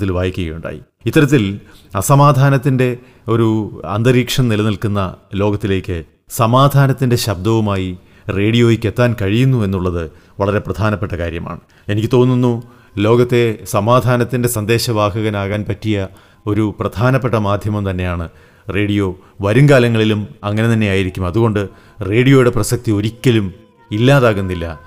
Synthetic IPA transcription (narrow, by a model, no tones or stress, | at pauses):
t̪ːilʋaːjikʲːuɣɐjuɳɖa̰ːjḭ | it̪ːɐɾɐt̪ːilɐsɐmaːd̪ʱaːnɐt̪ːinde̞ | o̞ɾuɐ̰nd̪ɐriːkʂɐmnilɐnilkunːɐlo̞ːɡɐt̪ːile̞ːkʲːɨ | sɐmaːd̪ʱaːnɐt̪ːinde̞ɕɐb̚d̪ɐʋumaːji | re̞ːɽijo̞ːjikʲːe̞t̪ːaːnkɐɻijunːue̞nːuɭːɐðɨ | ʋɐɭɐɾe̞prɐd̪ʱaːnɐpːeʈːɐkaːɾjɐma̰ːɳɨ | e̞nikʲːɨt̪o̞ːnːunːu | lo̞ːɡɐt̪ːe̞sɐmaːd̪ʱaːnɐt̪ːinde̞sɐnd̪e̞ːɕɐʋaːɦɐɣɐnaːɣaːnpɐtːijɐ | o̞ɾuprɐd̪̥ʱaːnɐpːe̞ʈːɐmaːd̪ʱjɐmɐmt̪ɐnːe̞jaːɳɨ | re̞ːɽijo̞ː | ʋɐɾuŋɡaːlɐŋːɐɭilumɐŋːɐne̞t̪ɐnːe̞jaːjiɾikʲːumɐðuɣo̞ɳɖɨ | re̞ːɽijo̞ːjuɽe̞prɐsɐk̚t̪io̞ɾikʲːɐlum | ilːaːðaːɣunːilːɐ